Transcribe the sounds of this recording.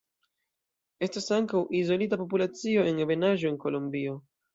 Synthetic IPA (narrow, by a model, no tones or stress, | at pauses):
e̞stasaŋkawʔizo̞lit̬apo̞p̬ulat͡sio̞e̞ŋeve̞naʒo̞eŋko̞lombio̞